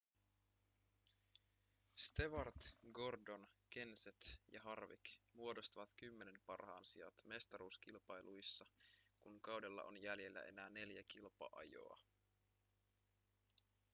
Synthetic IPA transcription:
st̪e̞ʋɑrt̪ɡo̞rdo̞nke̞nset̪jɑ̰ɦɑrʋḭkmuodo̞st̪ɑʋɑt̪kymːe̞ne̞mpɑrhɑ̰ːnsiɑ̰t̪me̞st̪ɑɾuːsk̟ilpɑjlʔujsːɑkuŋkɑwdelːɑ̰ʔo̞̰njælje̞lːæ̰ʔe̞̰næːne̞ljækilpɑ̰ʔɑ̰jo̰ɑ̰

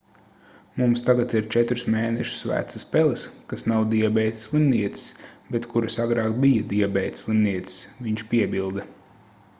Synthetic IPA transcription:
mumst̪aɡat̪iɾt͡ʃɛt̪ɾusmeːnɛʃu̥svæ̰ːt̪saspɛlˠiskasnawd̪iɛbɛjt̪slˠimniɛt̪si̥sbɛt̪kuɾasaɡɾɑːkbijad̪iɛbɛjt̪slˠimniɛt̪si̥sviɲʃpʲiɛbilˠd̪ɐ

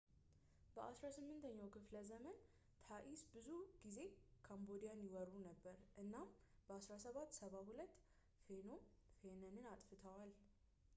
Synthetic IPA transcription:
bəʔasɾasɨmːɨnt̪ʰəɲːawkʰɨfləzəmən | t̪ʰaʔisbɨzuɡ̥ize̞kʰambo̞d̪ijanjɪwɔɾunəbːəɾʔɨnːamb̥əasɾasəβat̪ːsəβaɦulət̪ː | fenomfe̞nənɨnat̪ʼfɨt̪ʰəwal

